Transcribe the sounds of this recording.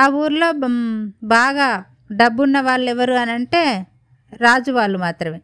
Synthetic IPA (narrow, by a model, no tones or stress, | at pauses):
aːuːɾlo̞ː | baːɡaː | ɖɐbːunːɐʋaːɭːɛʋɐɾuɐnɐɳʈe̞ː | ɾaːd͡ʒuʋaːɭːumaːt̪ɾɐme